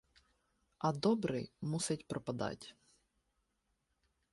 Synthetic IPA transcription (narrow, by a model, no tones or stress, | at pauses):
ɐd̪ɔbɾɪ̰jmusɐtʲpɾɔpɐd̪ɑ̰tʲ